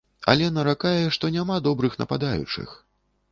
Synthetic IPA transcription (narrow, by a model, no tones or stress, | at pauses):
a̰lʲɛnɐɾakajɛʂt̪ɔnʲamad̪ɔbɾɨxnɐ̰pad̪ajṵt͡ʂɨ̰x